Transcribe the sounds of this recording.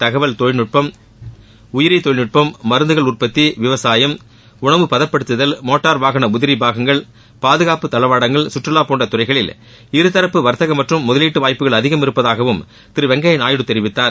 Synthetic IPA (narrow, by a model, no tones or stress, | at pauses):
t̪ɐɣɐʋɐɭt̪oːɻnɯʈ̚pɐm | ʊjɪɾɪt̪ːoːɭnɯʈ̚pɐmːɐɾɯnd̪ɯɣɐɭʊr̚pɐt̪ːiʋɪʋɐsaːjɐm | ʊɳɐʋɯpɐðɐpːɐɽɯt̪ːɯðɐlmoːʈːaːɾʋaːɣɐnɐʊðɪɾibaːɣɐŋɡɐɭ | paːðɯɣaːpɯt̪ɐlɐʋaːɽɐŋɡɐɭsʊʈrɐlaːpoːɳɖrɐt̪ʊrɐɪɣɐɭɪl | ɪɾɯt̪ɐɾɐpːɯʋɐɾt̪ɐɣɐmɐʈrɯmːʊðɐliːʈːɯʋaːjpːɯɣɐɭɐðɪɣɐmɪɾɯpːɐðaːɣɐʋɯm | t̪ɪɾɯʋɛŋɡɐjɐnaːjɪɽɯt̪ːɛɾɪʋɪt̪ːaːɾ